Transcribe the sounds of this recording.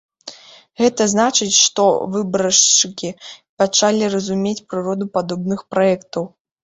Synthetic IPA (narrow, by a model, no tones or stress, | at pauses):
ɣɛt̪ɐznat͡ʂɨt͡sʲʂt̪ɔ̰vɨbɾɐʂt͡ʂɨkʲipat͡ʂalʲirɐzumʲet͡sʲpɾɨɾɔd̪upad̪ɔbnɨxpɾaɛkt̪ɐw